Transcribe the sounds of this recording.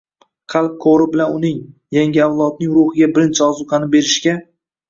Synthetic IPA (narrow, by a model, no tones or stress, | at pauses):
qʰɑlˠp̚qʰoɾɪbɪlanʊnɪŋjaŋɡʲɪawlˠɒd̪̚nɪŋɾʊhɪɡʲabɪɾɪnt͡ʃʰɪɒzʊqʰɑnɪbe̞ɾɪʃkʲa